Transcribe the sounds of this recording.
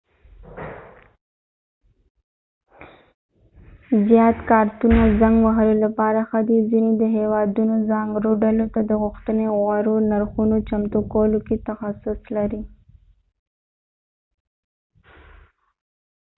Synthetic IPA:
zjɑt̪kɑɾt̪unazaŋɡwaɦəɾolapɑɾaxad̪izinid̪əɦewɑd̪unozɑŋɡɾoɖalot̪ad̪əɣʊxt̪əneɣwaɾonaɾxunot͡ʃamt̪okoloket̪axasʊslaɾi

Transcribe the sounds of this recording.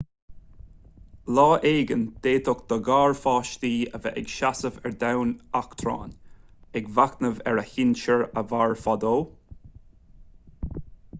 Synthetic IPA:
lɑːʔeːɡənd̪̥eːt̪ʰɔkd̪̥əɡɑːɹfɑːʃt̪iːəvɛ̰ʔɛɡʃasəvɛɹd̪awnakt̪ʰɾɑ̰ːnɛɡvaknəvɛ̰ɹəhɪnt͡ʃəɹəvaːɹfɔd̪oː

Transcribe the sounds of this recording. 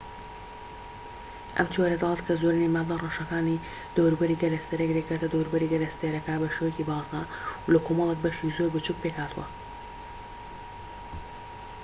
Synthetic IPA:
ʔɐ̰mt̪ʰiwaɾɛd̪ɑlˠɑt̪kʰɐzoɾɨnimalarɐʃɐkaːni | d̪̥əwɾubɐɾiɡɐlɐst̪eɾekɾekat̪ɐd̪əwɾubɐɾiɡɐlɐst̪eɾɐkɐbɐʃewecibɑːzd̪alɐkʰomɐlˠek̚bɐʃizoɾbɨt͡ʃuk̚pekhaːt̪uwɐ̰

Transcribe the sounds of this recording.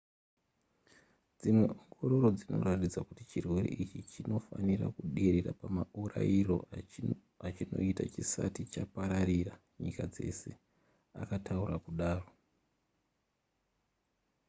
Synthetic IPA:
d͡zimwe̞oŋɡo̞ɾo̞ɾo̞d͡zino̞̰ratid͡zakutit͡ʃirwe̞ɾḛʔit͡ʃit͡ʃino̞fanira̰kuɗeɾeɾa̰pamaurairo̞ | at͡ʃino̞̰itat͡ʃisatit͡ʃapaɾaɾira | ɲikad͡ze̞se̞ | a̰katʰauɾakuɗaːro̞

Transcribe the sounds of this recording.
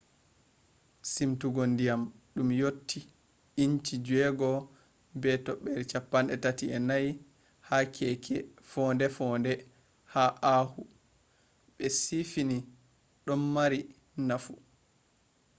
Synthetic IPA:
simtuɡɔndijamɗumjotʰːi | iɲt͡ʃid͡ʒɛɡɔ | bɛtɔɓːɛɾt͡ʃapːanɛtatiɛnaj | hakʰɛkʰɛfɔndɛfɔndɛ | haʔahu | ɓɛsifini | ɗɔnːaɾi | nafu

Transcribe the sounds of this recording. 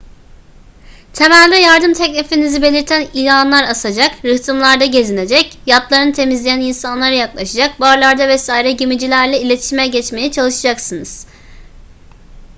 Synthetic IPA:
t̪ʰe̞mælʲd̪ʲɛjaɾd̪ɯmt̪ʰɛcnʲifinizibe̞lʲiɾt̪ʰænilʲanlˠaɾasad͡ʒakɾɯht̪ʰɯmlˠaɾd̪aɟe̞zine̞d͡ʒɛcjat̪lˠaɾɯnɯt̪ʰe̞mizlʲejæninsanlˠaɾɯjaklˠaʃad͡ʒak̚baɾlˠaɾd̪avɛsaiɾɛɟimid͡ʒilʲæɾlʲɛilʲe̞t̪ʰi̥ʃimɛɟɛt͡ʃme̞jɛt͡ʃʰalˠɯʃad͡ʒaksɯnɯz̥

